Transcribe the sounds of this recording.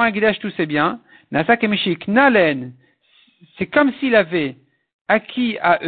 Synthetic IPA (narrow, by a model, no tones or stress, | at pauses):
ɛ̃ɡʲid̪aʃt̪usɛbjɛ̃ | nasakemiʃiknalɛn | sɛkɔmsiːlavɛ | akʲʰiaʔø